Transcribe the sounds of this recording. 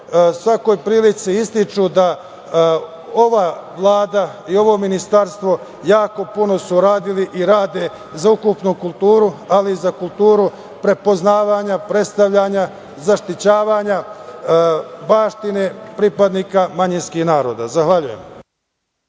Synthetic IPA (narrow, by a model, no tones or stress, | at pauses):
sʋako̞jpɾiːlit̪siist̪it͡ʃud̪a | o̞ʋaʋlˠaːd̪aio̞ʋo̞minist̪aɾst̪ʋo̞ | jaːko̞puno̞suɾaːd̪iliʔiɾaːd̪e̞ | zaukupnukulˠt̪uːɾualiizakulˠt̪uːɾu | pɾe̞po̞znaːʋaːɲapɾe̞t̪st̪aʋʎaɲa | zaʃt̪it͡ɕaːʋaːɲa | baːʃt̪ine̞pɾipad̪nikamaɲinskiːhnaːɾo̞ːd̪a̰zaxʋaʎujem